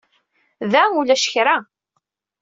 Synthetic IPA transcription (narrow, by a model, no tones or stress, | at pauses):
ðæulæʃçɾa